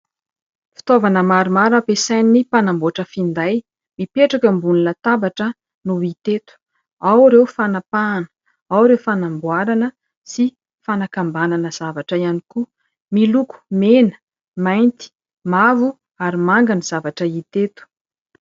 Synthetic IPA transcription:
fi̥t̪ovanəmaɾumaɾapesajnnːipanamboaʈ͡ʂəfind̪aj | mipeʈ͡ʂakəmbununət̪abaʈ͡ʂə | nuit̪et̪u̥ | awɾewfanapaːnə̥ | awɾewfanambwaɾanə | si | fanakambananəz̥avaʈ͡ʂəianiku | miluku̥menə̥ | majnt̪i̥ | mavu | aɾimaŋɡaniz̥avaʈ͡ʂəit̪et̪u̥

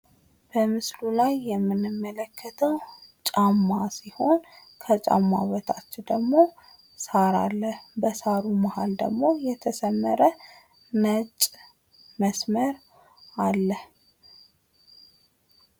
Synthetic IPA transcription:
b̥əmɨslulajːɛmːɨnːɨmːələkːət̪ʰəwt͡ʃʼamːasiho̞n | kʰət͡ʃʼa̰mːa̰wət̪ʰat͡ʃːɪd̪əɡmo̞ | saɾa̰lːəhbəsaɾumahald̪ə̰ɡmo̞jɛt̪ʰəsəmːəɾə | nət͡ʃʼ | məsməɾ | alːəh

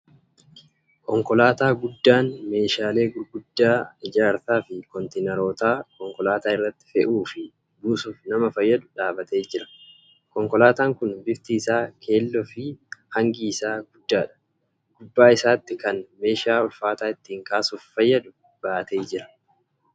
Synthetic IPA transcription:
kɔŋkɔlaːt̪aːɡʊd̪ːaːnme̞ːʃaːle̞ːɡʊɾɡʊd̪ːaːɪd͡ʒaːɾt̪aːfɪkɔnt̪enɛɾo̞ːt̪aːkɔŋkɔlaːt̪aːɪrːɐt̪ːɪ̥fɛʔuːfɪ | buːsuːfnɐmɐfɐjːɐd̪ʊᶑaːbɐt̪e̞ːd͡ʒɪɾɐ̥ | kɔŋkɔlaːt̪aːŋkʊnbɪft̪iːsaːkʰe̞ːlːɔfɪhɐŋɡiːsaːɡʊd̪ːaːᶑɐ̥ | ɡ̥ʊbːaːɪsaːt̪ːɪkɐnme̞ːʃaːɔlfaːt̪aːɪt̪ːiːŋkaːsuːffɐjːɐd̪ʊ | b̥aːt̪e̞ːd͡ʒɪɾɐ̥

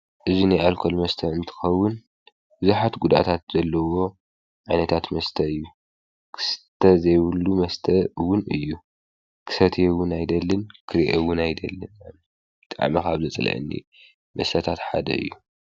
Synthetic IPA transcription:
ʔɨzinajalkʰo̞lmɐst̪ʰɐɨnt̪ʰɨ̥xɐwːʊn | b̥ɨzuħat̪ɡud̪a̰t̪ʰat̪z̥ɐlːɐwo̞ | ʕajnɐt̪ʰat̪mɐst̪ʰɐɨjːu | kʰɨ̥st̪ʰɐzɐjβɨlːumɐst̪ʰɐwʊnʔɨ̰jːu | kʰɨ̥sɐt̪ʰjɛwʊnajd̪ɐlːɨnkʰɨɾiʔewʊnajd̪ɐlːɨnan | bɨt̪ʼa̰ʕmikaβzɨt͡sʼɨlɐ̰ʔɨ̰nːḭ | mɐst̪ʰɐt̪ʰat̪ħa̰d̪ɐ̰ɨ̰jːu

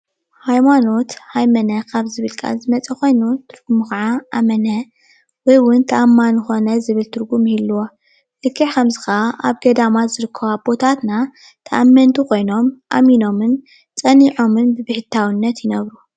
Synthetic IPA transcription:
hajmano̞t̪hajmɐnɐkʰaβzɨβɨlkʼa̰zɨmɐt͡sʼɐko̞jnut̪ʰɨɾɡ̥umukɐʕaʔamɐnɐ | wɔjwʊnt̪ʰɐʔamːanɨxo̞nɐzɨβɨlt̪ʰɨɾɡumilːuwo | lɨkʰːɨʕkʰɐmzɨxɐaʔa̰βɡɐd̪amazɨɾɨkʰːɐβab̥o̞t̪ʰat̪na | t̪ʰɐʔamːɐnt̪ʰukʰo̞jno̞mʔa̰mino̞mɨn | t͡sʼɐniʕo̞mɨnbɨbɨħɨt̪ʰawɨnːɐt̪jɪnɐβɾu

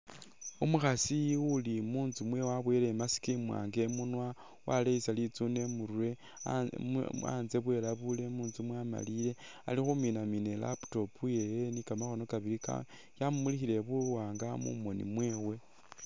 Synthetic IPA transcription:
umuxasiwulimuːnzumwe̞waβwelemasi̥kimwa̰ːŋɡe̞munwa | wa̰leisalit͡sune̞muɾwe̞ | a̰nze̞βwe̞laβule̞muːnzumwama̰lile̞a̰lixuminamine̞la̰pu̥to̞pujejenikamaxo̞no̞kaβilika̰ | jamumulixile̞βuwaːŋɡamṵmo̞nḭmwe̞ːwe̞

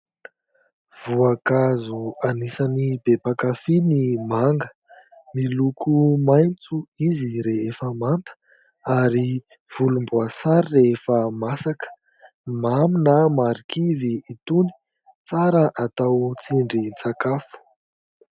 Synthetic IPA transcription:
v̥uakazuanisanibepakafinimaŋɡə̥ | milukʰumajnt͡suiziɾeefəmant̪ə̥ | aɾi | v̥ulumbuasaɾireefəmasakə̥ | maminamaɾikʰiviːt̪uni̥ | t͡saɾəʔat̪awt͡siɳɖ͡ʐit͡sakafu̥

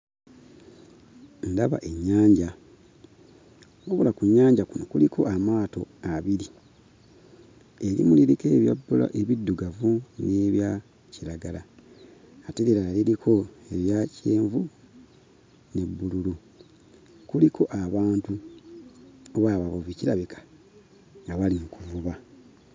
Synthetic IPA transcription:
ndaβa̰ʔe̞ɲːaːɲɟa | oβulakuɲːaːɲɟakuno̞kulikʰo̞ʔamaːto̞aβiɾi | e̞ɾḭmuliɾike̞ːβja̰bːula̰ʔe̞βidːuɡavune̞ːβja | ciɾaɡalaː | teliɾalilikʰo̞eβjace̞ːɱvu | ne̞bːululu | kulikʰo̞ʔaβaːntu | oβaːβaβoβiciɾaβikʰḁ | ŋɡaβalimukuvuβa

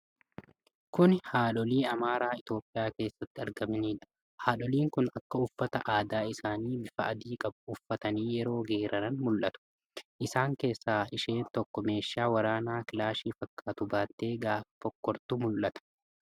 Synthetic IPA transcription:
kʊnhaːᶑɔliːɐmaːɾaːɪt̪o̞ːpʼːɪjaːke̞ːsːɐt̪ːɪɐɾɡɐmɐniːᶑɐ̥ | haːᶑɔliːŋkʊnɐkːɐʊfːɐt̪ɐʔaːd̪aːɪsaːniːbɪfɐːd̪iːkʼɐbʊʊfːɐt̪ɐniːjɛɾo̞ːɡeːɾɐnɐnmʊlʔɐt̪ʊ̥ | ʔɪsaːŋke̞ːsːaːɪʃe̞ːnt̪ɔkːɔme̞ːʃːaːwɐɾaːnaːkɪlaːʃiːfɐkʼːaːt̪ʊbaːt̪ːe̞ːɡaːft̪ɔkːɔɾt̪ʊmʊlʔɐt̪ɐ̥

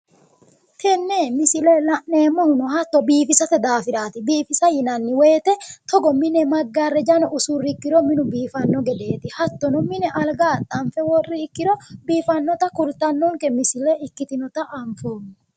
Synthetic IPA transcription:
t̪ɛnːemɪsɪlɛlɐʔneːmːɔhʊnɔɦɐt̪ːɔbiːfɪsɐt̪ɛd̪aːfɪɾaːt̪ɪbiːfɪsɐjɪnɐnːɪweːt̪ɛt̪ɔɡɔmɪnɛmɐɡːarːɛd͡ʒɐnɔʔʊsurɪkːɪɾɔmɪnʊbiːfɐnːɔɡɛd̪e̞ːt̪ɪhɐt̪ːɔnɔmɪnɛʔɐlɡaːt̪ʼːɐmfɛwɔrːɪhɪkːɪɾɔbiːfɐnːɔt̪ɐkʊɾt̪ɐnːɔŋkɛmɪsɪlɛɪkːɪt̪ɪnɔt̪ɐʔɐmfoːmɛ

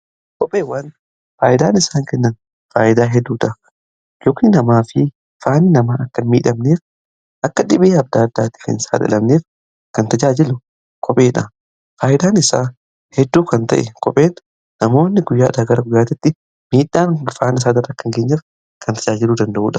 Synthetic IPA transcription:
kɔpʼeːwaːn | faːʔɪd̪aːnɪsaːŋkɛnːɐn | faːʔɪd̪aːɦɛd̪ːuːᶑ̪ɐ | joːkɪnɪnɐmaːfɪ | faːnːɪnɐmaːɐkːɐmiːᶑɐmneːf | ʔɐkːɐᶑɪbeːɐb̚d̪aːd̪ːaːt̪ɪ̥fɪ̰nɪsa̰ːd̪ɐ̰lɐmneːf | kɐnt̪ɐd͡ʒaːd͡ʒɪlʊ | kʰɔpʼe̞ːᶑɐ | faːʔɪd̪aːnɪsa̰ː | hɛd̪ːuːkɐnt̪ɐ̰ʔɛkɔpʼeːn | nɐmo̞ːnːɪɡʊjːaːd̪aːɡɐɾɐɡʊjːaːt̪ɪt̪ːɪ | miːᶑaːnfaːnɪs̬aːd̪ɐrːɐkːɐŋɡeːɲːɐf | kʰɐnt̪ɐd͡ʒaːd͡ʒɪluːd̪ɐnd̪ɐʔuːᶑɐ

